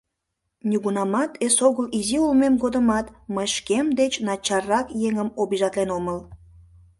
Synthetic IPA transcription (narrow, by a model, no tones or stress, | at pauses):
nʲiɣunɑmɑt̪esoɣəliziulmemɡod̪əmɑt̪məjʃkemd̪et͡ɕnɑt͡ɕɑrːɑkjeŋəmobiʒɑt̪lenoməl